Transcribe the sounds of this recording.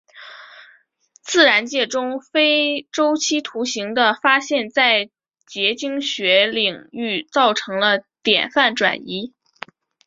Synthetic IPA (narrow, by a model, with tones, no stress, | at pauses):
t͡sɹ̩˥˩ɻa˧˥nt͡ɕjɛ˥˩ʈ͡ʂʊ˥ŋfe˥ɪʈ͡ʂo˥ʊt͡ɕʰi˥t̪ʰu˧˥ɕi˧˥ŋd̪ə˧˨fa˥ɕjɛ˥˧nt͡sa˥˩ɪ | t͡ɕjɛ˧˥t͡ɕi˥ŋɕɥɛ˧˥li˨˩ŋy˥˧t͡sɑ˥˩ʊʈ͡ʂʰɤ˧˥ŋlə˧t̪jɛ̰˨˩nfa˥˩nʈ͡ʂwa̰˨˩ni˧˥